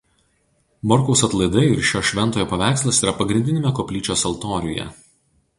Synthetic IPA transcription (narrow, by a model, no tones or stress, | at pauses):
mɔɾkɔʊsɐt̪lˠɐɪd̪ɐɪɪɾʃʲoːʃʲʋʲɛnt̪oːjoɔːpɐʋʲæˑɪkslˠɐsiːɾɐpɐɡɾʲɪnʲd̪ʲɪnʲemʲɛkopʲlʲiːt͡ʃʲoːsɐlˠt̪oːɾʲʊ̰jɛ̰